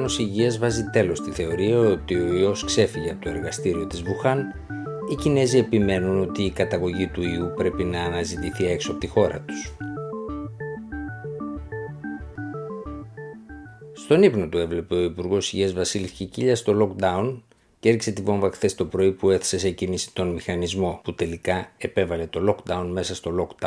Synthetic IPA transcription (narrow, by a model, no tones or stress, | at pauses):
nosiʝiɐzvɐzit̪e̞lo̞st̪iθe̞o̞ɾiɐo̞t̪io̞io̞skse̞fiʝeɐpot̪oe̞ɾɣɐst̪iɾio̞t̪izvuxɐn | icine̞zie̞pime̞nuno̞t̪iːkɐt̪ɐɣo̞ʝit̪uiupɾe̞pinɐːnɐzit̪iθie̞ksoɐpo̞t̪ixo̞ɾɐ̰t̪u̥s | st̪o̞nipno̞t̪ue̞vle̞pe̞o̞ipuɾɣo̞siʝezvɐsilisciciʎɐst̪o̞lo̞kd̪ɐun | ceeɾçi̥se̞t̪ivo̞ɱvɐxθe̞st̪o̞pɾo̞ipue̞θe̥se̞se̞cinisi̥t̪o̞nmixɐnizmo̞put̪e̞likɐe̞pe̞vɐle̞t̪o̞lo̞kd̪ɐunme̞sɐst̪o̞lo̞kd̪